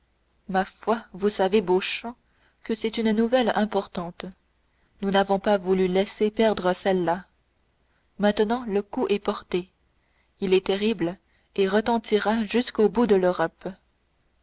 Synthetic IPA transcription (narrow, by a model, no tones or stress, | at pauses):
mafwavusaveboʃɑ̃ | kəsɛt̪ynnuvɛlɛ̃pɔʁt̪ɑ̃ːt̪ | nunavɔ̃pavulylɛsepɛʁd̪ʁəsɛlːa | mɛ̃t̪ənɑ̃ləkuʔɛpɔʁt̪e | ilɛt̪ɛʁibl | eʁət̪ɑ̃t̪iʁaʒyskobud̪əløʁɔp